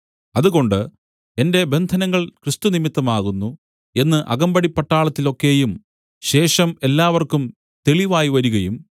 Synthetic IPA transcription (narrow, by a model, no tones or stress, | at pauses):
ɐðuɣo̞ɳɖɨ | e̞nde̞be̞nd̪ʱɐnɐŋːɐɭkrɨst̪unimit̪ːɐmaːɣunːu | e̞nːɨʔɐ̰ɣɐmbɐɽipːɐʈːaːɭɐt̪ːilo̞kːe̞ːjum | ɕe̞ːʂɐme̞lːaːʋɐrkum | t̪e̞ɭiʋaːjiʋɐɾuɣɐjum